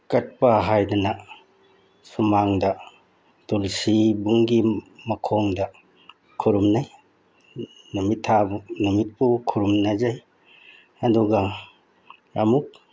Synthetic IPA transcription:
kɐt̚pɐɦajdɐnɐ | sumaŋdɐ | tulsibuŋɡimɐkʰoŋdɐ | kʰuɾumnaj | numitʰːabunumit̚pukʰuɾumnɐzaj | ɐduɡɐ | ɐmuk̚

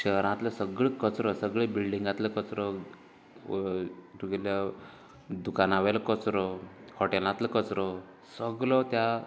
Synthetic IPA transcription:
ɕəɦɾãt̪ləsəɡɭekət͡sɾɔsəɡɭebilɖiŋɡãt̪ləkət͡sɾɔ | t̪uɡɛlja | d̪ukanaʋaləkət͡sɾɔhɔʈelãt̪ləkət͡sɾɔ | səɡlɔt̪ja

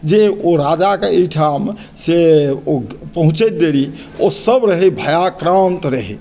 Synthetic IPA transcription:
d͡ʒeoɾad͡ʒakeəʈʰam | seopəɦũt͡ʃɛt̪̚d̪eɾi | osəbɾəɦɛbʱəjakɾãnt̪ɾəɦɛ

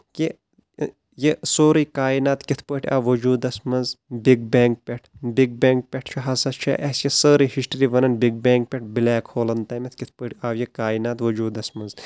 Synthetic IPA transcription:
ki | jesoːɾiːkaːinaːt̪kit̪ʰpəːʈʰia̰ːʋɐd͡ʒuːd̪ɐsmɐzbiɡ̚beːŋk̚pʲeʈʰbiɡ̚bʲeːŋk̚pʲeʈʰt͡ʃʰuɦɐsɐst͡ʃʰa̰ʔɐsjɐsəːɾiːhisʈɾiʋɐnɐnbiɡ̚bʲeːŋk̚pʲeʈ̚ʰbilaːkhoːlɐnt̪ɐːmɐt̪ʰkit̪ʰpəːʈʰʲaːʋjɐkaːinaːt̪ʋɐd͡ʒuːd̪ɐsmɐnz

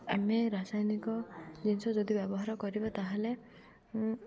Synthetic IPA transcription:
ameɾasajnikɔd͡ʒinsɔd͡ʒod̪ibjɔbɔɦaɾɔkɔɾibɔt̪aɦele

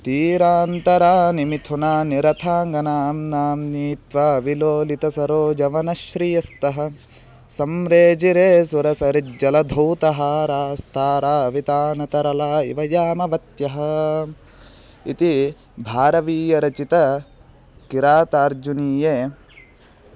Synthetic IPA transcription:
t̪iːɾaːnt̪ɐɾaːnimit̪ʰunaːniɾɐt̪ʰaːŋɡɐnaːmnaːmniːt̪ʋaːʋiloːlit̪ɐsɐɾoːd͡ʒɐʋɐnɐʃɾijɐst̪ɐɦɐ̆ | sɐmɾeːd͡ʒiɾeːsuɾɐsɐɾid͡ʒɐlɐd̪ʱɐwt̪ɐɦaːɾaːst̪ʰaːɾaːʋit̪aːnɐt̪ɐɾɐlaːḭʋɐjaːmɐʋɐt̪jɐɦɐ̆ | ḭt̪i | bʱaːɾɐʋiːjɐɾɐt͡ʃit̪ɐ | kiɾaːt̪aːɾd͡ʒuniːjeː

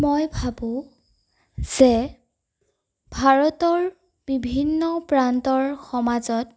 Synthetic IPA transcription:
mojbʱabʊ̃ | z̥ɛ | bʱaɹɔtɔɹ | b̥ibʱinːɔpɹantɔɹxɔmazɔt̚

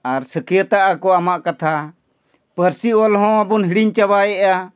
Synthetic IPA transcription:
aɾsəkijət̪aʔakɔamaʔkat̪ʰa | pəɾsiɔlɦɔ̃abunɦiɽiɲt͡ʃabajɛʔa

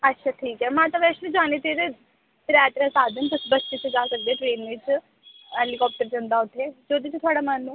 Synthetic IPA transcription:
ətːʃʰaːʈʰiːkɦɛːmãːt̪ɐʋɛːslid͡ʒaːnet̪eɾe | ɾɛːt̪ɾɛsaːd̪ʱənp̪əsbətːt͡ʃet͡ʃed͡ʒaːsək̚d̪eːʈɾeːnʋɪt͡ʃ | ɦɛlɪkɔːp̚ʈəɾd͡ʒə̃nd̪aːʊt̪ʰeːd͡ʒoːd̪it͡ʃt̪ʰʊaːɽamãːnũː

